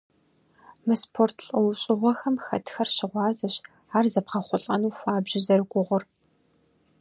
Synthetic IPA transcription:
mɨspʰortʰɬʼɨwɕʼɪʁʷɔxɐmxɐ̰tʰxɐrʃɪʁʷɑːzɐɕ | aːrzɐpqɐχʷʊɬʼɐnuːxʷɑːbʑɪzɐrɡʷʊʁʷʊr

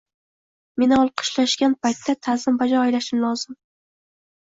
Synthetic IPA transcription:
me̞nɪɒlˠqʰɨ̥ʃlaʃɡʲanpʰajt̪ʰːat̪ʰazɪmbad͡ʒɒːjlaʃɪnlɒzɪm

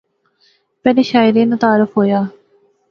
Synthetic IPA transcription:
pɛːleːʃaːɪɾeːnat̪aːɾəfʰɦoːjaː

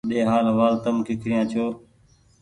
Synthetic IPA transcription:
ɗeːɦaːlɦəʋaːlt̪əmkɪkʰɾɪjãːt͡ʃʰoː

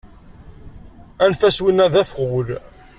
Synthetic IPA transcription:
ænfæswinːæðæfχwl

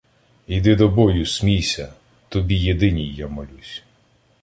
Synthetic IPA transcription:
id̪ɪd̪ɔbɔjʊsʲmʲijsʲɐ | t̪ɔbʲijed̪ɪnʲijːamɔlʲusʲ

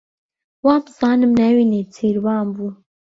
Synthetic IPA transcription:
wɑːmbɨz̥ɑːnɨmnɛwiːnet̪ʰiːɾwɑːmbuː

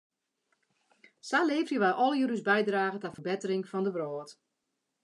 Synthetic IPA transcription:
saleːfrjəʋajʔɔlˠjəɾysbɛjdraːɣətafərbɪtərɪŋfɔndəʋrɔːt

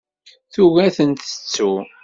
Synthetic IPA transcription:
θuʝæθənt̪ə̥t͡sːu

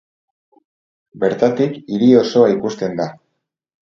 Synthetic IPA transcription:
be̞ɾt̪at̪ikiɾio̞so̞aikust̪e̞nd̪a

